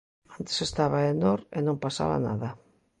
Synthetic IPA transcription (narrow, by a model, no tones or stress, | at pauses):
ant̪e̥sest̪aβaenoɾenõmpasa̰βa̰na̰ðɐ